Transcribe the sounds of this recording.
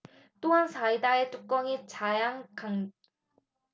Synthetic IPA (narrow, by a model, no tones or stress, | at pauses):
t͈oɦansʰaidaet͡ɕ͈uk̚k͈ʌŋit͡ɕajaŋkaŋ